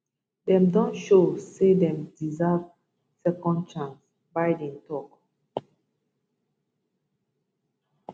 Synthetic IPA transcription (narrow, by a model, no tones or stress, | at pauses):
dɛ̃mdɔ̃nʃosedɛ̃mdizav | sɛkɔ̃nd̚t͡ʃãns | bajdɛ̃ntʰɔk